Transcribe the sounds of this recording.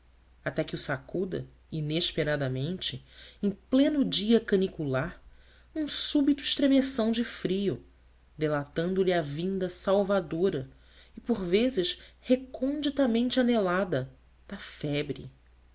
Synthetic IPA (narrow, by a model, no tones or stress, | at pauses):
at̪ɛkɪʊsakud̪ɐ̰ | ineʃpeɾad̪ɐmẽnt͡ʃɪẽj̃plẽnʊd͡ʒiɐkɐnikulaɾ | ũsubit̪ʊiʃt̪ɾemesɐ̃w̃d͡ʒɪfɾiʊ | d̪elat̪ɐ̃nd̪ʊlɪɐvĩnd̪ɐsawvad̪oɾɐ | ɪpoɾvezɪʃhekõnd͡ʒit̪amẽnt͡ʃɪanelad̪ɐ | d̪̥ɐfɛbɾɪ̰